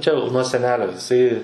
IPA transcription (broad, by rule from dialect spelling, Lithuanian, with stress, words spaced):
ˈt͡ʃʲɛ jɛʊ nuɔ sʲɛˈnʲæːlʲoː jɪˈsɐɪ